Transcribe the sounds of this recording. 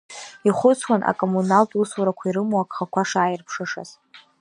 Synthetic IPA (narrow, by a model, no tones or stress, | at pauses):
iχʷʊt͡sʰwanʔa̰kʼomunaltʼuswuɾakʷʰaiɾɨmoakʰʼχakʷʰaʂaːjɪrpʰʂɨʂa̰z̥